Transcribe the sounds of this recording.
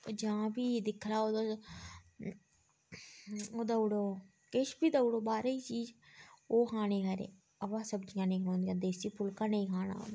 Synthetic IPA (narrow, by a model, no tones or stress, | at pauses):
d͡ʒãːbiːd̪ɪkʰɾaːoːd̪o | oːd̪aʊɽoː | keʃpiːd̪aʊɽoːbaːɾiːt͡ʃiːd͡ʒoːkʰaːñeːkəːɾḛː | əʋãːsəbd͡ʒɪjãːnə̃ĩːɦoːnd̪ijãːd̪eːsiːpʰʊlkãːnəĩːkʰaːna̰ːɦo̰ː